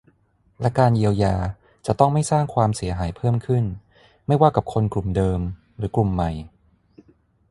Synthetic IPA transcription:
lɛ˦˥kaː˧nji˧əwjaː˧ | t͡ɕa˨˩t̪ɔ˥˩ŋma˥˩jsaː˥˩ŋkʰwaː˧msi˩˦ɐɦaː˩˦jpʰɤː˥˩mkʰɯ˥˩n | ma˥˩jwaː˥˩ka˨˩p̚kʰo˧nklu˨˩mdɤː˧m | ɾɯː˩˦klu˨˩mːa˨˩j

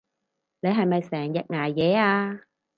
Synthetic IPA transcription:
ne˨˧jɦɐ˨jmɐ˨jsɛː˨˩ŋjɐ˨˩k̚ŋaː˨˩jjɛː˨˧aː˧

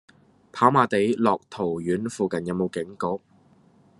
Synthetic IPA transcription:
pʰaː˨˥wmaː˨˧t̪e˨˥jlɔː˨k̚t̪ʰo˨˩wjyː˨˥nfuː˨˧kɐ˨njɐ˨˧wmo˨˧wkɪ˨˥ŋko˨˥k̚

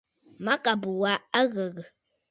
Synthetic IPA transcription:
ma˦ka˨bə˨wa˨a˦ɣə˨ɣə˨

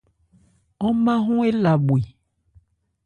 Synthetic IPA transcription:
ɔ˦mã˦ɦũ˦e˦la˨bwe˨

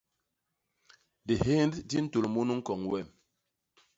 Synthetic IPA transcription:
di˨he˦nddi˦n̩˦tu˨lmu˦nu˦ŋ̩˦kɔ˨ŋwɛ˦˨m

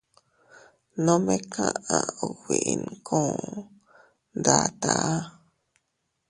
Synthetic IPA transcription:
nõ˦mẽ˦kʰã̰˦ã˧˨o˨wi˨i˧˨nkʰõ˦˨ | nd̪a˧˨t̪a˨ʔa˦

